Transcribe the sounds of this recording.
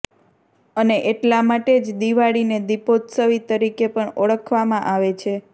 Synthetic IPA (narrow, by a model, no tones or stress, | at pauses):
əneʔeʈlamaʈed͡ʒd̪iʋaɽined̪ipot̪səʋit̪əɾikepəɳəɭəkʰʋamãʔaʋet͡ʃʰe